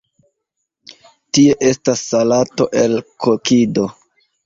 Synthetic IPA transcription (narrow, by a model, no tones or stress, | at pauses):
tie̞ʔe̞stasːalato̞ʔe̞lkʰokido̞